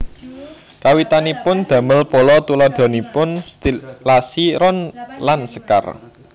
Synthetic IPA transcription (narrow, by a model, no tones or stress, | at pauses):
kawit̪anipʊnd̪̥ä̤məlpolɔt̪ulɔd̪̥ɔ̤nipʊnst̪ilasiɾɔnlansə̥ka̰r